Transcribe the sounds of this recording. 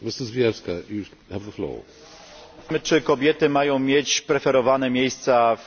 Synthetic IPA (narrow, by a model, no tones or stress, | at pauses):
mɪsəzviɛskaju | həvðəflɔ̰ː | mɘt͡ʂɘkɔbʲjɛt̪ɘmajɔ̃w̃mʲjet͡ɕpɾɛfɛɾɔvanɛmʲjejst̪saf